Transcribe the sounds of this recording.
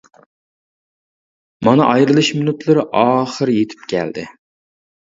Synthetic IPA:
mɑnɨʔɑjɾɨlˠɨʃmɪnut̪ʰlˠɨɾɪʔɑːχəɾjet̪ʰɪ̥p̚kʲʰɛ̰ld̪ɪ

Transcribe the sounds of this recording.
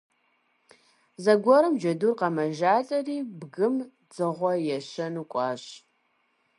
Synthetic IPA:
zɐɡʷɔɾɨmd͡ʒɐduːrqɐmɐʒaːt͡sʼɐriːbɡɨm | d͡zɨʁʷɔjɛɕɐnukʷʼɑːɕʼ

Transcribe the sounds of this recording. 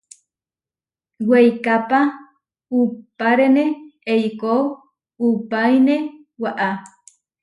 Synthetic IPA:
wejkapa | upaɾenẽejkow | upajne | waʔa

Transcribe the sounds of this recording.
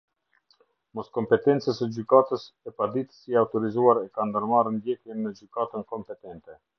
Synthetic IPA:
mɔskɔmpɛt̪ɛnt͡səsəd͡ʒykat̪əs | ɛpad̪it̪ə̥siaut̪ɔɾizuaɾɛkand̪əɾmarənd̪jɛt̪jɛmːəd͡ʒykat̪ənkɔmpɛt̪ɛnt̪ɛ

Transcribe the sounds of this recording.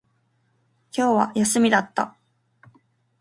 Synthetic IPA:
kʲo̞ːβa̰jasɨmʲid̪at̪ːa̰

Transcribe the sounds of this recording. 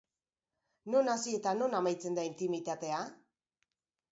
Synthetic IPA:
no̞nasie̞t̪ano̞namajt͡se̞nd̪aint̪imit̪at̪e̞a

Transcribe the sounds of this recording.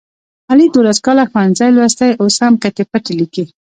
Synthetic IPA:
ɑlid̪olaskɑlaxwanzajlwɑst̪ajosamqat̪epaʈeliki

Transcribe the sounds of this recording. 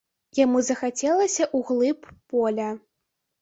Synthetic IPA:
jamuzɐxat͡sʲɛlˠɐsʲɐʔuɣlˠɨpːɔlʲɐ

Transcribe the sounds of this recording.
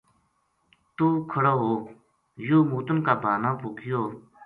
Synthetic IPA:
t̪ukʰəɾaɦo | jumut̪unkapanapokijo

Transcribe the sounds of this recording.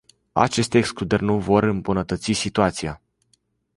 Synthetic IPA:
a̰t͡ʃe̞st̪eːksklud̪erʲnuvo̞rɨmbunət̪ət̪sisit̪uat̪sija

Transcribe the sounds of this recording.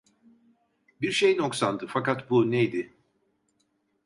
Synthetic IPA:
biɾʃejno̞ksand̪ɯfakat̪bunejd̪ɪ

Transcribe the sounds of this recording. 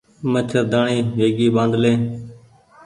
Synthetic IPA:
mət͡ʃʰəɾd̪aːɳiːʋeːɡiːɓãːnd̪lẽː

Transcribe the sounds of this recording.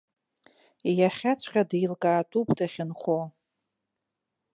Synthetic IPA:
jaχʲat͡sʷʰqʲʼadijlkʼaːtʼupʼdaχʲɪnχo

